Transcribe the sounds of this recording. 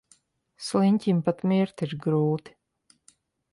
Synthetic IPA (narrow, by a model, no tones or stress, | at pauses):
slˠinʲt̪ʲimpat̪mʲiɾt̪iɾɡɾuːt̪i̥